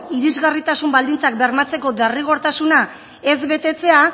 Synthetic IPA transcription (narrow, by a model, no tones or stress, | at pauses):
iɾizɣarit̪asumbald̪int͡sak̚beɾmat͡se̞ko̞d̪ariɣ̞o̞ɾt̪asuna | e̞zβe̞t̪e̞t͡se̞a